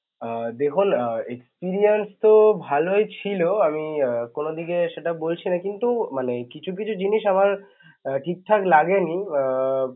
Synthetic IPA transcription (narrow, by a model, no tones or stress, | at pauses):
d̪ekʰunekspiɾienst̪obʱalojt͡ɕʰiloamikonod̪iɡeʃeʈabolt͡ɕʰinakint̪umanekit͡ɕʰuk̬it͡ɕʰud͡ʑiniʃamaɾ | ʈʰik̚ʈ̪ʰaklaɡeni